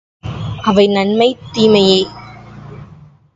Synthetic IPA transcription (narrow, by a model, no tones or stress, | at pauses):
ʔɐʋɐɪnɐnmɐɪt̪ːiːmɐjeː